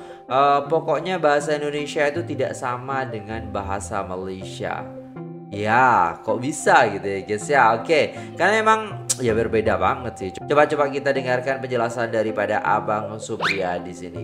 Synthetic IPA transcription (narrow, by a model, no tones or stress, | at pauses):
ʔəpɔkɔʔɲabaɦasaindonesiait̪ut̪ida̰ʔsamadəŋanbaɦa̰sa̰malejsia̰ | jakɔʔbisaɡit̪ujaɡɛsjaoke | karnamemaŋjabərbedaba̰ŋət̪̚sɪht͡ʃt͡ʃobat͡ʃobaʔkit̪adəŋarkanpəɲd͡ʒəlasandaɾipadaʔa̰baŋsupɾiadisinḭ